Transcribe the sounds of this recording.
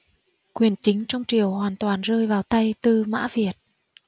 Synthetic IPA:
kwi˨˩ənt͡ɕï˨˦ŋ̟t͡ɕɔ˧wŋ͡mt͡ɕi˨˩əwhwaː˨˩nt̪waː˨˩nzəː˧jvaː˨˩wt̪a˧jt̪ɨ˧ma̰ː˧˥vi˨˩ət̚

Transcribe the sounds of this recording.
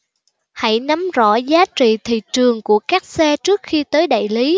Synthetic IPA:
ha̰˧˩jna˨˦mzɔ̰˧˩zaː˨˦t͡ɕḭ˧˨t̪ʰḭ˧˨t͡ɕɨ˨˩əŋku˧˩əkaː˦˥k̚sɛ˧t͡ɕɨ˦˥ək̚xi˧t̪əː˨˦jɗa̰ː˧˨jli˨˦

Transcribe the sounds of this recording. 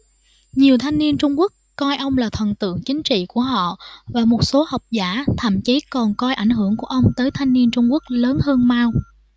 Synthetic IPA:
ɲi˨˩əwt̪ʰa˧jŋni˧ənt͡ɕʊ˧ŋ͡mku˦˥əkːɔ˧jʔə˧wŋ͡mlaː˨˩t̪ʰə˨˩nt̪ɨ̰˧˨əŋt͡ɕï˨˦ŋ̟t͡ɕḭ˧˨ku˧˩əɦɔ̰˧˨vaː˨˩mo˨˩t̚so˨˦ha˨˩wk͡p̚zaː˧˩t̪ʰə̰ː˧˨mt͡ɕi˨˦kɔ˨˩nkɔ˧jʔa˧˩jŋ̟ɦɨ˧˩əŋku˧˩əʔə˧wŋ͡mt̪əː˨˦jt̪ʰa˧jŋni˧ənt͡ɕʊ˧ŋ͡mku˦˥ək̚ləː˨˦nɦəː˧nmaː˧w

